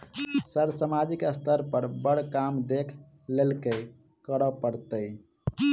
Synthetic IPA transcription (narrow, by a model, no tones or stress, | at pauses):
səɾsəmad͡ʒikəst̪ʰəɾpəɾbəɽkamd̪ekʰ | lelke | kəɾɔpəɾt̪əj